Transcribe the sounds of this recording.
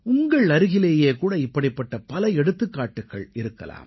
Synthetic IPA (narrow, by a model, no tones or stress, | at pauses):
ʊŋɡɐɭnɐɾɯɣɪleːjeːkuːɽɐɪpːɐɽɪpːɐʈːɐpɐlɐɛɽɯt̪ːɯkːaːʈːɯkɐ̰ɭɪɾɯkːɐ̰la̰ːm